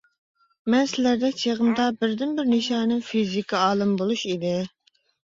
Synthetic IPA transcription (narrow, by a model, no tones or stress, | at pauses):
mɛnsɪlæɾd̪ɛt͡ʃʰeʁəmd̪ɑbɪɾd̪ɪnbɪɾneʃɑːnɨŋfizikʰɑɑːlˠɨmbolˠuʃid̪ɪ